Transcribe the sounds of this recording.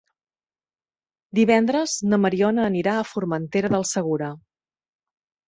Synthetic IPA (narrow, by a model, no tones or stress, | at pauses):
d̪iβɛnd̪ɾəznəməɾiɔnəːniɾaəfurmənt̪eɾəðəlˠsəɣ̞uɾə